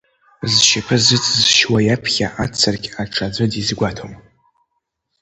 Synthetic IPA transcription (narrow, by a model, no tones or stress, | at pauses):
zʃapʰɨzɨt͡sʰzʃwajapʰχʲa̰ʔat͡sʰːarkʲaʈ͡ʂʰad͡zʷɨdizɡʷatʰom